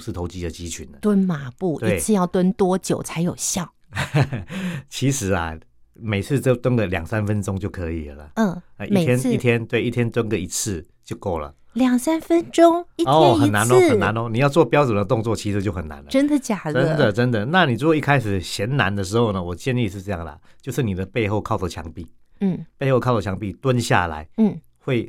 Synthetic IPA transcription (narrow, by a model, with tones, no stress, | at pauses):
ʂɻ̩˥˩t̪ʰo˧˥ʊt͡ɕi˦d̪ə˨t͡ɕi˦˥t͡ɕʰy̰˨˩nd̪ə˨˦t̪wə˦˥nma˧˥pu˥˩t̪we˧˥˨t͡sʰɹ̩˥˧jɑ˥˩ʊt̪wə˦˥nt̪wɔ˥t͡ɕjo˨˩ʊt͡sʰa˧˥ɪjo˨˩ʊɕjɑ˥˩ʊ | t͡ɕʰi˧˥ʂɻ̩˧˥a̰˨ | me˨˩ɪt͡sʰɹ̩˥˧t͡ɕo˥˩ʊt̪wə˥nɡə˨ljɑ̰˨˩ŋsa˦˥nfə˦nʈ͡ʂʊ˥ŋt͡ɕjo˥˩ʊkʰɤ˧˦ḭ˨˩lə˩lə̰˩ə˥˩˧ʔmi˥e˨t̪ʰjɛ˥nʰ˥i˥˩t̪ʰjɛ˦˥nt̪we˥˩ɪʔi˥˩t̪ʰjɛ˥nt̪wə˥nɡə˨i˧˥t͡sʰɹ̩˥˧ | t͡ɕjo˥˧ʊko˥˩ʊlə̰˩ | ljɑ˨˩ŋsa˥nfə˦nʈ͡ʂo˥ŋi˥ɔ˥˨˥xə˨nːa˧˦nɔ˧˦ə˨˩nna˧˦nɔ˧˦ni˨˩jɑ˥˧ʊt͡swɔ˥˨pjɑ˥ʊt͡sə˨˩nd̪ə˧˩t̪ʊ˥˧ŋt͡swɔ˥˨t͡ɕʰi˧˥ʂɻ̩˧t͡ɕjo˥˩xə˨˩nːa̰˧˦nlə˧ə˥nd̪ə˨t͡ɕja˨˩lə˦˥n˦d̪ə˨ʈ͡ʂə˦nd̪ə˨na˥˨ni˨˩t͡su˦˥kwi˥˩kʰa˥ɪʂɻ̩˨˩ɕjɛ˧˦nna˧˦nd̪ə˧ʂ̬ɻ̩˧˥xo˥˩ʊnə˩wɔ˨˩t͡ɕjɛ˥˧nli˥˧ʂ̬ɻ̩˥˧ʈ͡ʂɤ˥˧jɑ˥˩ŋə̰˩t͡ɕjo˥˧ʊʂɻ̩˥˩ni˨˩d̪ə˦pe˥˧ɪxo˥˧ʊkʰɑ˥˩ʊdə˨˩t͡ɕʰjɑ̰˧˦ŋpi˥˩˥ | pe˥˧ɪxo˥˧kʰɑ˥˩ʊə˨t͡ɕʰjɑ˧˦ŋpi˥˧t̪wə˦nɕja̰˥˩la̰˨˧˦ɪ˥˩ | xwe˥˩ɪ